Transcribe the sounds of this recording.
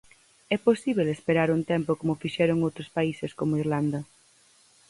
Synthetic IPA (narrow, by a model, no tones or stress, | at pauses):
ɛposiβelespeɾaɾunt̪ɛmpokomʊfiʃɛɾoŋowt̪ɾospaiseskomoiɾland̪ɐ